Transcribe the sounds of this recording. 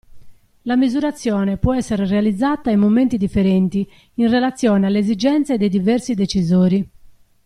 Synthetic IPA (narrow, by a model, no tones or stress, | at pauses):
lamizuɾat̪sːjɔːnepwɔɛsːeɾerealid̪zːaːt̪aimːoment̪id̪ifːeɾɛnt̪i | inrelat̪sːjɔːnealːeːzid͡ʒɛnt̪sed̪ejd̪ivɛɾsid̪et͡ʃizoːɾi